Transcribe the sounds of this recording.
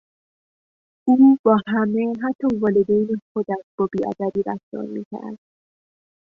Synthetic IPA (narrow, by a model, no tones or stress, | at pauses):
uːb̥ɒːhæmeɦæt̪ʰːɒːvɒːled̪ejnexod̪æʃb̥ɒːbiːɒ̰d̪æd̪iːɾæfd̪ɒ̰ːɾmḭːcʰæ̰ɾd̪̥